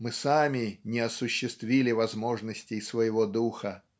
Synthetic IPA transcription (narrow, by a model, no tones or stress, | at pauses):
mɨsamʲɪnʲɪɐsʊɕːɪst̪vʲilʲɪvɐzmo̞ʐnəsʲtʲɪjsvəjɪvo̞d̪uxə